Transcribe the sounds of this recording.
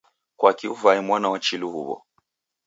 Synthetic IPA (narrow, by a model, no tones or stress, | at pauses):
kwakiuvaɛmwanawat͡ʃiluɦuβɔ̰